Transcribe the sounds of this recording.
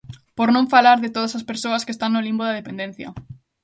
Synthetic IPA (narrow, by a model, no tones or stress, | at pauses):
poɾnõɱfalaɾðet̪oðɐsɐspeɾsoɐskest̪aŋnolimboðɐðepend̪ẽn̟θjɐ̰